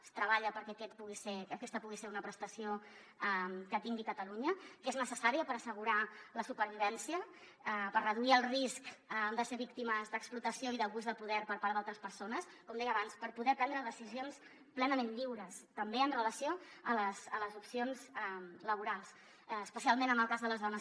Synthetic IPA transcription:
st̪ɾəβaʎəpəɾkɛkɛt̪̚puɣiseəkɛst̪əpuɣiseɾunəpɾəst̪əsio | amkət̪iŋɡikət̪əluɲəkeznəsəsaɾiəpəɾəsəɣuɾaləsupəɾβ̞iβ̞ɛnsiə | əpərrəðuiəlˠriskːd̪əseβ̞ik̚t̪iməzd̪əksplut̪əsioiðəβuzðəpuðɛɾpəɾpaɾðalˠt̪ɾəspəɾsonəskɔmd̪ɛjəβanspəɾpuðɛpɾɛnd̪ɾəðəsizions | plɛnəmẽnʎiwɾəst̪əmbeənrələsioələsələzupsionzɛmləβuɾalˠs | əspəsialˠmẽnəməlˠkazðələzðɔnə

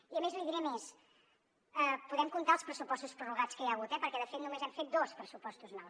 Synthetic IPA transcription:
iəmezujðiɾemes | ɛpuðɛmkunt̪alˠspɾəsupɔst̪uspɾuruɣat͡skəjaɣut̪ɛpəɾkɛðəfet̪numezɛmfet̪̚d̪ɔspɾəsupɔst̪uznɔws

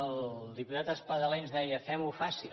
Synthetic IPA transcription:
əlˠd̪iput̪at̪əspəðəlenzðɛjəfɛmufasi

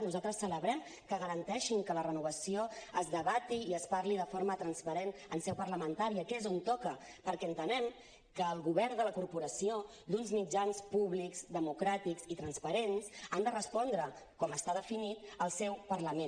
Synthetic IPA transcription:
nuzalˠt̪ɾəsələβɾɛm | kəɣəɾənt̪ɛʃiŋkələrənuβəsioəzðəβat̪iːəspaɾliðəfoɾmət̪ɾənspəɾenənsɛwpərləmənt̪aɾiəkɛezont̪ɔkə | pəɾkɛənt̪ənɛm | kəːlˠɣuβɛɾnd̪ələkuɾpuɾəsio | d̪unzmid͡ʒanspuβlikzd̪əmukɾat̪ikzit̪ɾənspəɾensand̪ərəspɔnd̪ɾə | kɔməst̪aðəfinit̪̚əlˠsɛwpərləme

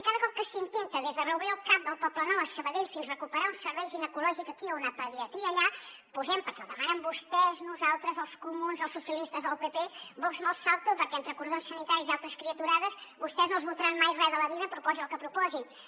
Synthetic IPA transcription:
ikaðəkɔp̚kəsint̪ent̪əðezðərəuβɾiəlˠkap̚d̪əlˠpɔplənɔəsəβəðeʎfinzrəkupəɾaunsəɾβɛjʒinəkulɔʒikəkiəwnapəðɾiɛt̪ɾiiəʎa | puzɛmpəɾkɛ̰lˠðəmanəmbust̪ɛznuzalˠt̪ɾəzəlˠskumunzəlˠsːusiəlist̪əzðəlˠpepebɔzmɔlˠsalˠt̪upəɾkɛent̪ɾəkuɾðonsənit̪aɾizialˠt̪ɾəskɾiət̪uɾaðəsβust̪ɛznolzβulˠt̪əɾanmajrɛðələβiðəpɾupɔziəlˠkəpɾupɔzin

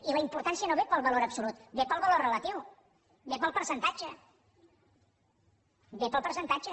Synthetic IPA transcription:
iləimpuɾt̪ansiənoβepəlˠβəloɾəpsulut̪bepəlˠβəlorələt̪iw | bepəlˠpəɾsənt̪ad͡ʒə | bepəlˠpəɾsənt̪ad͡ʒə

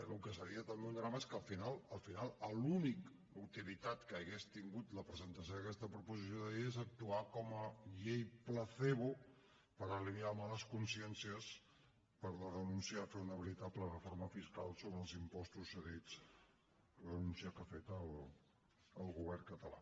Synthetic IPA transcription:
lukəs̬əɾiət̪əmbeund̪ɾaməeskəlˠfinalˠəlˠfinalˠəlunik | uwt̪ilit̪at̪kəːɣest̪iŋɡut̪ləpɾəzənt̪əs̬joðəkɛst̪əpɾupuzis̬joðəeezək̚t̪uakɔməʎejpləθeβu | pəɾəliniamaləskunsiɛnsiəs | pəɾləðənunsiəfeunəβəɾit̪aplərəfoɾməfiska̰lˠsoβɾəːlˠzimpɔst̪usːəðid͡z | lðənunsiəkafet̪əlː | lˠɣuβ̞ɛrkət̪əla̰

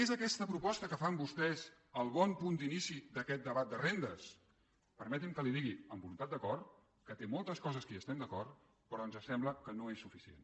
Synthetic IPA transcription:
ezəkɛst̪əpɾupɔst̪əkəfambust̪ɛz | əlˠβɔmpund̪inisid̪əkɛt̪̚d̪əβat̪̚d̪ərend̪əs | pəɾmɛt̪imkəliðiɣiəmbulunt̪at̪̚d̪əkɔrt̪ | kət̪emɔlˠt̪əskɔzəskəəst̪ɛmd̪əkɔr | pɾɔənzəsɛmbləkənoesːufisiḛn

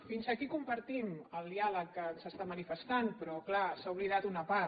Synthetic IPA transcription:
finzəkikumpəɾt̪iməlˠd̪ialəkːənsəst̪amənifəst̪anpɾɔklasauβliðat̪unəpa

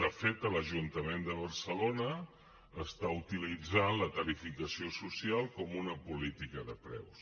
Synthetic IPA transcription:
afet̪ələʒunt̪əmend̪əβərsəlonəː | st̪aut̪ilid͡zanlək̪əlifikəsiosusialˠkɔmunəpulit̪ikəðəpɾɛ̰ws

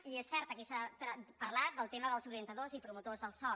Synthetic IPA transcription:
iesːɛɾt̪əkɛsat̪ɾəpəɾlat̪̚d̪əlˠt̪eməðəlˠzuɾiənt̪əðozipɾumut̪ozðəlˠsɔ

